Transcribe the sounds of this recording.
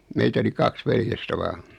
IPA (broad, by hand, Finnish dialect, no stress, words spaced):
meitæ oli kɑks ʋeljestæ ʋɑːn̥